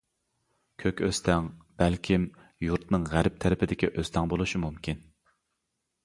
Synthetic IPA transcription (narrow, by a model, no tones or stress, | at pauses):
kʲʰøkʲøst̪ʰɛŋb̥ælkʲʰim | juɾt̪nɨŋʁæɾp̚t̪ʰæɾɪpʰɪd̪ɪkʲiʔøst̪ʰɛŋbolˠuʃimumkʲʰin